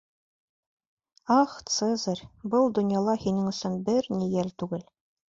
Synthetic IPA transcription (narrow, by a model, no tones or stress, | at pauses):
ɑχt̪sezəɾʲbɤlˠd̪ŏnjɑlˠɑhinɘŋɵ̆sɵnbɘɾnijælt̪ʉɡɘl